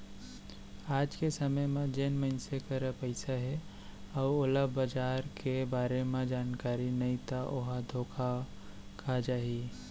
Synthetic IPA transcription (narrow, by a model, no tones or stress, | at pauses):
aːd͡ʒkesəməjmẽd͡ʒenməɪnsekəɾəpəɪsaɦɛ | aːoləbbəd͡ʒaːɾkebaːɾemẽd͡ʒaːnkaːɾinəĩt̪aʔoɦad̪ʱokʰa | kʰad͡ʒaːɦi